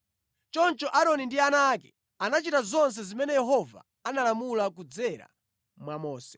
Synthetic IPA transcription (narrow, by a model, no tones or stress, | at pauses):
t͡ʃɔnt͡ʃɔʔaɾɔnindianakɛ̥ | anat͡ʃitazɔns̬ɛzimɛnɛjɛɦɔva̰ | analamulak̬ud͡zɛɾa̰ | mwamɔːsɛ̥